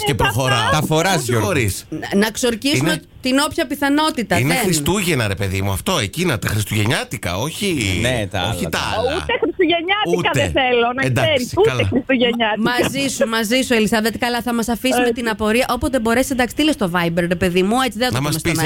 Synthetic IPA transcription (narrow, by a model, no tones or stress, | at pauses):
cepɾoxoɾɐt̪ɐfoɾɐsjoxoɾisnɐkso̞ɾcisiuume | t̪ino̞pçɐpiθɐno̞t̪it̪ɐiðneeɾisst̪uʝenɐɾe̞pe̞ðimuɐft̪o̞ecinot̪exɾist̪uʝe̞ɲɐt̪ikɐ̰o̞çinet̪ɐoçit̪ɐɐ̰lɐ̰ṵt̪exɾist̪uʝeɲɐtuutkɐeeelonɐnd̪ɐɾisiuɐlxɾist̪uʝeɲɐt̪mɐzisumɐzisuelisɐvet̪kɐlɐθɐmɐsɐfisummet̪inɐpo̞ɾiɐʔo̞pozðebo̞ɾe̞ssend̪ɐkst̪ilest̪o̞vɐjbeɾɾepe̞ðimue̞t͡siðenɐtnɐmɐsmestpis